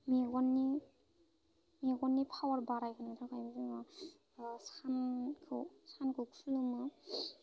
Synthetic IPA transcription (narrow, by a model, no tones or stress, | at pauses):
miɡɔnːi | miɡɔnːipʰawaɾbaɾajkʰɯnatʰawkʰajbzɯŋa | sankʰɯsankʰɯkʰulumɯ